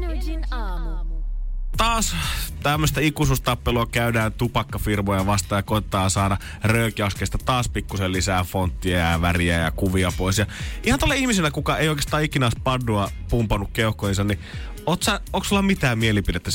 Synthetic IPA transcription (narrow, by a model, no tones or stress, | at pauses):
t̪ɑːst̪æmːøst̪æikːus̬ust̪ɑpːeluɑkæydæːnt̪upɑkːɑfirmojɑʋɑst̪ɑːjɑkoit̪et̪ɑːnsɑːdɑ | røykæˑoskest̪ɑt̪ɑːspikːusellisæːfont̪ːiæjɑʋæriæjɑ̰kuʋiɑpoisjɑʔihɑnt̪olːeihmiselːækukɑeˑijoˑikest̪ɑːikinɑːspɑnːuɑ | pumpɑnːukkeuhkːohinsɑnni | oːt̪sæoˑksolːɑmit̪æːmmielipidet̪ːæ